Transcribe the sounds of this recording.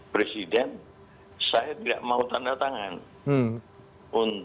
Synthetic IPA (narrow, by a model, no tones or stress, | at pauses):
pɾesidɛn | sajat̪ida̰ʔmaut̪andat̪aŋan | ʔun